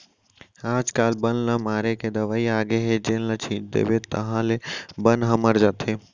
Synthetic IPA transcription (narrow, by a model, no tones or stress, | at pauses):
aːd͡ʒkaːlbənləmaːɾeked̪ɐʋaːiaːɡeɦed͡ʒẽnlət͡ʃʰĩːd̪ḛbet̪ɐɦãlebə̃nɦɐməɾd͡ʒat̪ʰeː